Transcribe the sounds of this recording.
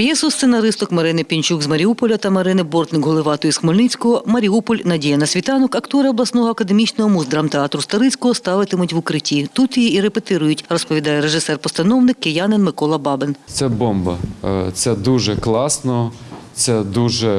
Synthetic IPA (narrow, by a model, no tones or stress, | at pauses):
jɛsʊssenɐɾɪst̪ɔkmɐɾɪnɪpʲint͡ʃuɡzmɐɾʲiupɔlʲɐt̪ɐmɐɾɪnɪbɔrt̪nɪkɦɔlˠɪʋɑt̪ɔisxmɔlʲnɪt͡sʲkɔɦɔmɐɾʲiupɔlʲnɐdʲijɐnɐsʲʋʲit̪ɑnɔkɐkt̪ɔɾɪɔblˠɐsnɔɦɔɐkɐd̪emʲit͡ʃnɔɦɔmuzd̪ɾɐmt̪eɑt̪ɾʊst̪ɐɾɪt͡sʲkɔɦɔst̪ɑʋɪt̪ɪmʊtʲʋʊkɾɪtʲit̪ut̪jiiɾepet̪ɪɾʊjʊtʲrɔspɔʋʲid̪ɑjɛɾeʒɪsɛrpɔst̪ɐnɔwnɪkːejɑnɪnmɪkɔlˠɐbɑbɪnt̪sɛbɔmbɐ̰t̪sɛd̪uʒɛklˠɑsnɔt̪sɛd̪uʒɛ